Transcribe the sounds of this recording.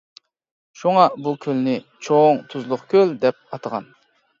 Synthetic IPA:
ʃuŋɑbukʲʰølnɪ | t͡ʃʰoŋt̪ʰuzlˠʊχkʲʰøld̪ɛp̚ɑt̪ʰəʁɑ̰n

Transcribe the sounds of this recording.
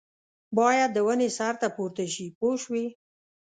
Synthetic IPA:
bɑjad̪̚ːəwənesaɾt̪apuɾt̪aʃipoʃwi

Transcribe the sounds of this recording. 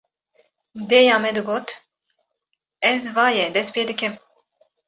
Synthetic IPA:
d̪eːjɑːmɛd̪ɨɡoːt̪ | ɛzvɑːjɛd̪ɛspijɛd̪ɨkʲɛm

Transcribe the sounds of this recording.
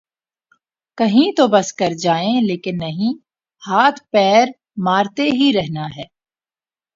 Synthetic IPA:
kɐɦĩt̪obɐskɐɾd͡ʒaːẽleːkɪnːɐɦĩ | haːt̪ʰpɛːɾ | maːɾt̪eɦiɾɛɦnaɦɛː

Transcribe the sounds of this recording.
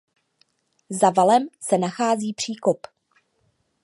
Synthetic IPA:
zavalɛmsɛnaxaːziːpr̝̥iːko̞p

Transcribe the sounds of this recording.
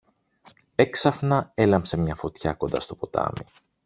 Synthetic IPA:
e̞ksɐfnɐe̞lɐmpse̞mɲɐfo̞t̪çɐ̰ko̞nd̪ɐ̰st̪o̞po̞t̪ɐ̰mi

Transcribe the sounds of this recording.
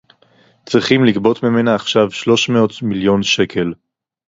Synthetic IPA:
t͡sʁiχimlikbo̞tmime̞naːχʃavʃlo̞ʃmeo̞tmiljo̞nʃe̞kʰe̞l

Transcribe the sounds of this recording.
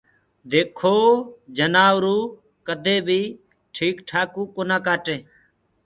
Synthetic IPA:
d̪eːkʰoːd͡ʒənaːʋɾuː | kəd̪ʱeːbʱiː | ʈʰiːkʈʰaːkuːkonãːkaːʈeː

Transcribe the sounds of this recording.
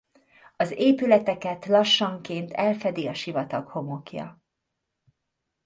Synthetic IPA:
ɒzeːpylɛt̪ɛkɛt̪lɒʃːɒŋkeːnt̪ʰɛlfɛd̪iɒʃivɒt̪ɒkho̞mo̞kjɒ̰

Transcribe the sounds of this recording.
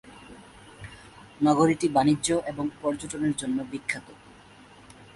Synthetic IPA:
nɔɡoɾiʈibaniːʑoʔeboŋpɔɾd͡ʑoʈoneɾd͡ʑonːobikʰːat̪o

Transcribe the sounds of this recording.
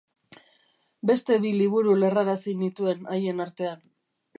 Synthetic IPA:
be̞st̪e̞βiliβ̞uɾule̞raɾasinit̪ue̞naje̞naɾt̪e̞an

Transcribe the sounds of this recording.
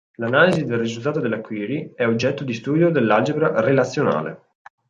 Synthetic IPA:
lanaːlizid̪elrizult̪aːt̪od̪elːakwiːɾiɛod͡ʒːɛt̪ːod̪ist̪uːd̪jod̪elːad͡ʒebɾarelat̪sːjona̰ːlḛ

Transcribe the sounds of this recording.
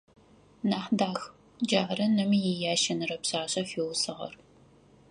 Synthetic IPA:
naːħdaːx | d͡ʒaʕɾɐnɐmijɛjaːʃɐnɨrɐpɕaːɕɐfiːwsɨʁɐ̰r

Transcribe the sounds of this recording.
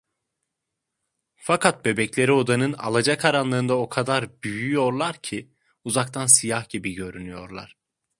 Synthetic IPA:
fakʰat̪̚be̞bɛclʲe̞ɾio̞d̪anɯna̰lˠad͡ʒakʰaɾanlˠɯːnd̪ao̞kʰad̪aɾbyjyjo̞ɾlˠaɾcʰi | uzakt̪ʰansijahɟ̥ibiɟø̞ɾynyjo̞ɾlˠa̰ɾ̝̥

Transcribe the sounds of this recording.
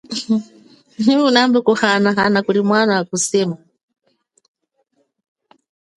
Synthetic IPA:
unambɛkuhanaɦanakuɾimwanawakusɛːma

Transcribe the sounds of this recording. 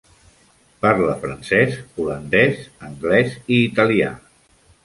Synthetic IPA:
parləfɾənsɛsulənd̪ɛzəŋɡlɛziːt̪əlia̰

